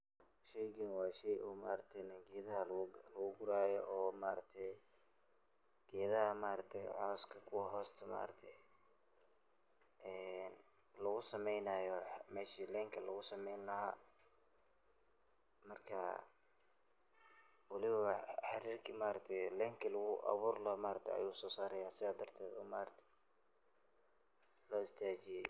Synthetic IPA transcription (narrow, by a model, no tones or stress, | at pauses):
ʃɛjɡinwɑːʃɛjʔʊːma̰ːɾɐt̪ʰɛjnɐɡɛːðɐɦɐlɐɣʊɡʊɾaːjɔʔɔːmaːɾɐkt̪ʰɛj | ɡ̥ɛːðɐhɐmaːɾɐt̪ʰɛjʕɔːskʰɐkʰʊwɑɦɔːst̪ʰɐma̰ːɾɐ̰kt̪ʰɛj | ʔɛːn | lɐɣʊsɐmɛjnaːjɔmɛːʃiːlɛːŋkʰɐlɐɣʊsɐmɛjnlɐɦaː | mɐrkʰɐ̰ | wɑlɪβɐħɑɾiːrkʰimaːɾɐk̚t̪ʰɛjlɛːŋkʰɐlɐɣʊʔɐ̰βuːrlɐmaːɾɐk̚t̪ʰɛ̰jʔɐ̰juːsɔːsaːɾɐjaːsɪðaːd̪ɐrt̪ʰɛːd̪ɔ̰ːma̰ːɾɐt̪ʰɛ̥ | lɔːɪst̪ʰaːt͡ʃɪjɛj